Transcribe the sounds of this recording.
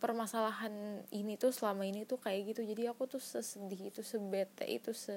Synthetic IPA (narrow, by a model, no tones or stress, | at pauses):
pərmasalaɦaninit̪ʊhsəlamainit̪ukajaɡit̪ud͡ʒadiakut̪ʊhsəsədɪhit̪usəbet̪ɛ̰ʔḭt̪usə